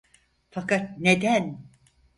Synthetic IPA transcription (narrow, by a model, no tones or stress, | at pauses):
fakat̪̚ned̪æn